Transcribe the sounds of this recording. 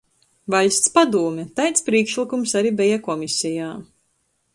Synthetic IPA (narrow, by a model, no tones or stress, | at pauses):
valʲst̪spad̪uːmʲɛt̪ajt̪spɾiːkʃlˠikumsaɾibʲɛjakɔmʲisʲijaː